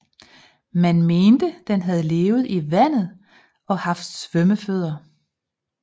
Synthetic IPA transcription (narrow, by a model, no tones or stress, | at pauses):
mænme̝ːnd̥əd̥enɦæð̞̩ˠle̝ːʊð̞̩ˠiʋæn̰ð̞̩ˠ | ɒ̽hɑ̈fd̥sʋœməføð̰ˠɐ